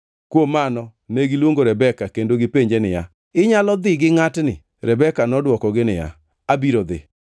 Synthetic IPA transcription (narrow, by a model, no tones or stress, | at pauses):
kwomanɔneɡɪlwoŋɡoɾɛbɛkakendoɡɪpeɲd͡ʒenɪja̰ | ɪɲalɔd̪ɪɡɪŋatnɪ̰ | ɾɛbɛkanɔdwɔkɔɡɪnɪja̰ | abiɾod̪ɪ̰